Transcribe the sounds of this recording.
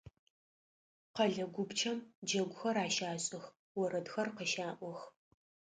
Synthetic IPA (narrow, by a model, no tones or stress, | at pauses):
qɐɮɐɡʷʊbt͡ʃʰɐmd͡ʒɐɡʷʊxɐɾaːʃaːɕʼɪx | wɔɾɐdxɐrqəʃaːʔʷɔx